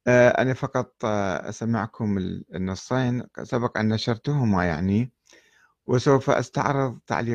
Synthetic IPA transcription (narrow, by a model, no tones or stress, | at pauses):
ʔaʔa̰nafɑqɑt̪ˤʔa̰samɪʕkʰʊmɪnːɨsˤːeːnsabɑqʔa̰nːaʃɑɾˤt̪ʊɦʊmaja̰ʕni | wɪsawfaʔa̰st̪a̰ʕɾˤɨðˤt̪a̰ʕliː